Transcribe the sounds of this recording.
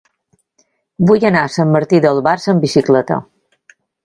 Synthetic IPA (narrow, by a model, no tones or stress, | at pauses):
bujənasəmːəɾt̪iðəlˠβaɾsəmbisiklɛt̪ə̰